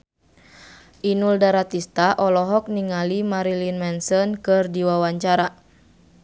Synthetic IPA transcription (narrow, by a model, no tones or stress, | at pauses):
ʔinuldaɾat̪ist̪aʔɔlɔɦɔk̚niŋalimaɾilinmɛnsɔnkɨrdiwawaɲt͡ʃaɾa